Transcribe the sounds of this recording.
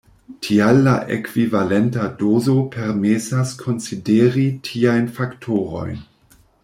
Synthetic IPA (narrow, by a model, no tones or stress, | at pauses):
tʰialːa̰ʔḛkv̥ivale̞ntadozopʰeɾmesaskʰo̞nsideɾitʰiajnfaktʰoɾo̞̰jn